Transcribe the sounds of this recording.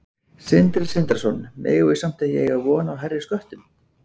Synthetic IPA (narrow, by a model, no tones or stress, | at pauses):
sɪnt̪ɾɪsɪnt̪ɾḁsɔnmʔḛːɣɪsam̥t̪ɪjɛ̰ɣaðvɔːnawɦɛrːɪskœht̪ʏn